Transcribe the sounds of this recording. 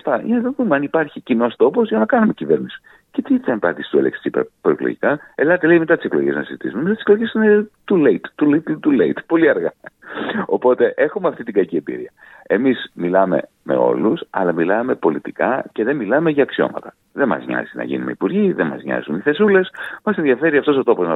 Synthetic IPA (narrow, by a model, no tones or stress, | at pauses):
st̪ɐineɐt̪onðumeɐnipɐɾçicino̞st̪o̞po̞zʝɐnɐkɐnume̞cive̞ɾnisi̥ | ce̞t̪isɐmpɐnd̪isi̥st̪uelḛkssippɾoiklo̰ʝikɐelɐt̪eleime̞t̪ɐt̪i̥seklo̞̰ʝe̞̰znɐ̰sizit̪isumenmizot̪seklo̞ʝe̞sinet̪uleit̪t̪ulit̪t̪uleit̪po̞liɐɾɣɐ | o̞po̞t̪e̞ʔe̞xumeɐft̪it̪iɡɐciembḭɾiɐ | e̞mismilɐme̞̰ | me̞̰o̞̰lusɐ̰lɐmilɐme̞po̞lit̪ikɐce̞ðe̞milɐme̞ʝɐːksio̞̰mɐ̰t̪ɐ | ðe̞mɐ̰zɲɐ̰zinɐ̰ʝḭnumeipuɾʝiðemɐ̰zɲɐ̰zuniθe̞sule̞smɐse̞nðiɐfe̞ɾiɐft̪o̞s̬o̞t̪o̞po̞znɐ